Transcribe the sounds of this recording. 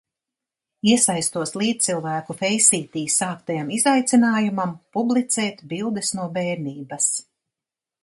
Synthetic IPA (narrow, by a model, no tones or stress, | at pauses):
iɛsajst̪uɔslˠiːt̪̚t̪silˠvæːkufɛjsiːt̪iːsaːkt̪ajamizajt̪sinaːjumampublˠit̪sɛːt̪bilˠd̪ɛsnuɔbɛːɾniːbɐs